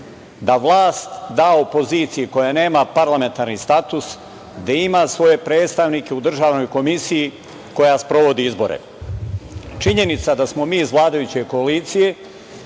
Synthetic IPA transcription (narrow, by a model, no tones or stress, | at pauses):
d̪aʋlˠaːst̪d̪aːopo̞ziːt̪sijiko̞jane̞ːmapaɾlˠame̞nt̪aɾnist̪at̪us | d̪aimasʋo̞je̞pɾe̞ːt̪st̪aʋnike̞ud̪r̩ʒaːʋno̞jko̞misiji | ko̞jaspɾo̞ʋo̞d̪iizbo̞̰ɾḛ | t͡ʃiɲe̞nit̪sad̪asmo̞miːzʋlˠaːd̪ajut͡ɕe̞ko̞alit̪sije̞